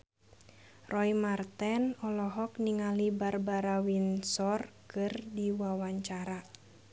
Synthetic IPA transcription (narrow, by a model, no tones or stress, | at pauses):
rʔɔimart̪ɛnɔlɔɦɔkniŋalibarbaɾawinsɔrkɨrdiwawaɲt͡ʃaɾa